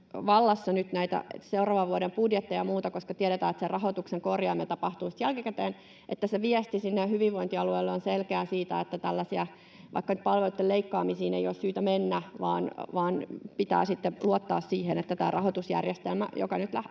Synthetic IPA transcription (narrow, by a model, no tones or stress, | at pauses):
ʋɑlːɑsːɑnyt̪næit̪æ̰seurɑːʋɑʋuoɾempudjet̪ːejɑmuːt̪ɑkoskɑt̪iɛɾet̪æːet̪serʔɑɦot̪ukseŋkorjɑːmnet̪ɑpɑht̪uːsi̥t̪jælkikæt̪eːn | ʔet̪ːæseʋiɛst̪isinːehyʋiʋʋoint̪iɑlueilːeonselkeæːsiːt̪æet̪ːæt̪ælːæsiæ | ʋʔɑ̰ikːɑnyt̪̚pɑlʋelut̪ːeleikːɑːmisiːnḛijoːssyːt̪æmenːæʋɑ̰ːnʋɑːnpit̪æ̰ːsit̪ːeluot̪ːɑːssiːhenet̪ːæt̪æːrʔɑhot̪usjæ̰rjest̪elmæ̰jo̰kɑnyt̪læ